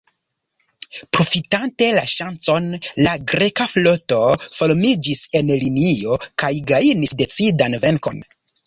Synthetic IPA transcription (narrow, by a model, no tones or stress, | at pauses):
pɾo̞fitante̞laʃant͡so̞nlaɡɾe̞kaflo̞to̞fo̞ɾmid͡ʒise̞nlinio̞kajɡainisde̞t͡sidanve̞ŋko̞̰n